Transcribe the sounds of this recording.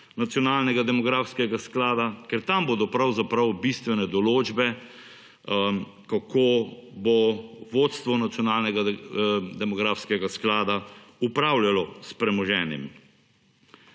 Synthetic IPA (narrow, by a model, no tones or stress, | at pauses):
nat̪sijɔnaːlnɛɡad̪ɛmɔɡɾaːfskɛɡasklaːd̪akɛɾt̪ambod̪ɔpɾawzapɾɐwbist̪ʋɛnɛd̪ɔloːd͡ʒbɛ | kakʰoboʋot̪st̪ʋɔnat̪sjɔnaːlnɛɡa | d̪ɛmɔɡɾaːfskɛɡasklaːd̪aupɾaːwljalɔspɾɛmɔʒɛːnimi